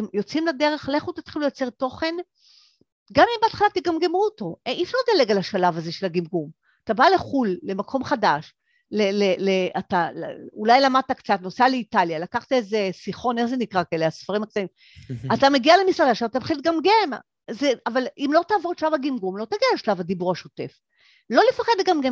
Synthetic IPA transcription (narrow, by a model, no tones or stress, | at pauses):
at̪emjo̞t͡simlade̞ʁe̞χleχut̪et̪χiluljat͡se̞ʁto̞χe̞n | ɡamimbeat̪χalat̪iɡamɡemuoto̞ʔiʃaʁt̪aleɡalaʃalavaze̞ʃe̞laɡimɡum | atabale̞χulːe̞makʰo̞mχadaʃ | leleleʔatalulajlamad̪̚t̪akt͡sat̪nosaleitaljalakaχt̪aezesiχo̞ne̞χzenikʁakaeleasfaʁimak̚t̪aim | atameɡialemisʁadaʃavt̪afχid̪̚ɡamɡem | zeavalimlo̞t̪aːvo̞ʁʃalavaɡimɡumlo̞t̪aɡialeʃalavad̪ibuʁaʃote̞̰f | lo̞lefaχe̞d̪ɡamɡem